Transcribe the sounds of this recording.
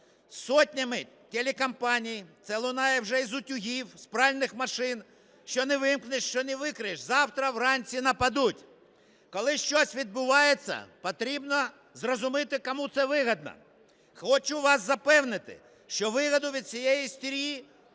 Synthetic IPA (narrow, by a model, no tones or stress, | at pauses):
sɔtʲnʲɐmɪ | t̪ʲelʲekɐmpɑnʲijit̪sɛlˠʊnɑjɛwʒɛizʊtʲʊɦʲiwspɾɑlʲnɪxmɐʃɪn | ʃt͡ʃɔnɪʋɪmknɪʃt͡ʃɔnɪʋɪkɾɪjeʃzɑwt̪ɾɐwrɑnʲt͡sʲinɐpɐd̪utʲ | kɔlˠɪʃt͡ʃɔsʲʋʲid̪̚bʊʋɑjet͡sʲːɐ̰pɔt̪ɾʲibnɔ | zrɔzʊmɪt̪ɪkɔmut̪sɛʋɪɦɐd̪̚nɐ̰ | xɔt͡ʃʊʋɑsːɐpɛwnɪt̪ɪ̰ | ʃt͡ʃɔʋɪɦɐd̪ʊʋʲid̪̚t͡sʲijɛjist̪ʲiɾʲji